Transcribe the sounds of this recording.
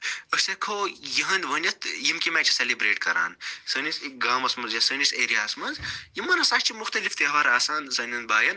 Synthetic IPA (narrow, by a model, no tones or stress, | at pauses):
əsɐkʰoːjiɦɐnd̪ʲʋɐnʲɐt̪jimkʲimɛːt͡ʃʰɐ̥selibɾeːʈkɐɾa̰ːnsɐnʲisik̚ɡaːmɐsmɐzjɐsɐniseːɾijaːɐsmɐnzjimːɐnɐsaːʃʲt͡ʃʰimuxt̪ɐlift̪eɦʋaɾɐːsaːnsɐnʲɐnbaːjɐn